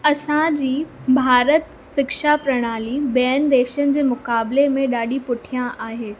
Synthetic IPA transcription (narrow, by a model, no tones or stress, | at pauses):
ɐsãd͡ʑiːbʱaːɾət̪ | sɪkʃapɾɐɽ̃aːlibɛənd̪eːʃənɪ̆d͡ʑeːmʊkaːbɪlemẽɗaːɗipʊʈʰijãʔaːɦeː